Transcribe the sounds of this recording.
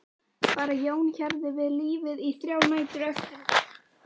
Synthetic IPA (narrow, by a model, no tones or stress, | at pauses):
paːɾajoːwnçaɾðɪvɪðliːvɪðiθɾjaːwnaːjt̪ʏɾœst̪ʏn